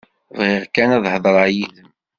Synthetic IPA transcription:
vʁɪʁkænæðˤhəðˤɾˤɑʕjiðəm

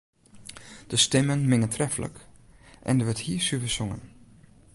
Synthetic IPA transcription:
d̥əstɛmənmɪŋəntʰrɛfələ̰kʔɛ̰ndəʋəthiːsyfəsʊŋə̰n

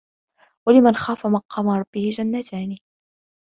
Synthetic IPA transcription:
walɪmanxaːfamɑqɑːmaɾˤɑbːɪhɪd͡ʒanːat̪ʰaːni

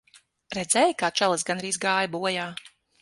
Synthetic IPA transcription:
ɾɛd̪zɛjkaːt͡ʃɛlˠɨsɡanɾiːzɡaːjbuɔjaː

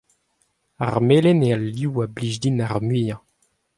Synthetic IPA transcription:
aʁmeːlenealːiwabliʒd̪inaʁmɥiːjɑ̃

